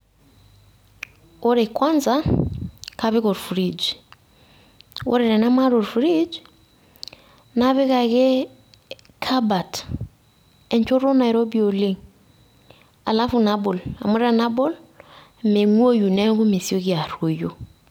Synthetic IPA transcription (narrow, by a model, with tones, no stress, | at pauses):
o˦ɾe˨kwa˦nza˦ | ka˦βɪ˦kɔ˨ɾfu˨ɾi˨d͡ʒ | o̰˦ɾe˨ɾɛ˨na˦ma˦ɾo˨ɾfu˨ɾi˦d͡ʒ | na˦βɛ˦ka˨ke˦ | kʰa˦ba˨t | ɛ˨ɲt͡ʃo˦ɾo˦na˨i˨ɾo˦bi˨o˨le˦ŋ | a˨la˦fu˨na˦bo˨la̰˨mu˦ɾɾa˨na˦bɔ˦l | me˨ŋu˦o˦ju˨nɛ˦ɡu˦me˨si˦o˦ki˨a˨ɾo˨jo˨